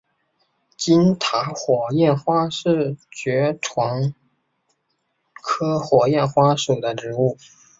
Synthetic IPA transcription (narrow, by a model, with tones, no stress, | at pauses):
t͡ɕi˥nt̪ʰa˧˥xwɔ˨˩jɛ˥˩nxwa˥ʂɻ̩˥˩t͡ɕɥɛ˧˥ʈ͡ʂʰwɑ˧˥ŋ | kʰɤ˥xwɔ˨˩jɛ˥˩nxwa˥ʂu˨˩d̪ə˦ʈ͡ʂɻ̩˧˥u˥˩